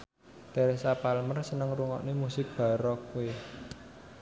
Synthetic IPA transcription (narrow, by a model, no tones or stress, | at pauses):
t̪eɾesapalmərsənəŋruŋɔ̰ʔnemusɪk̚b̥a̤ɾɔkue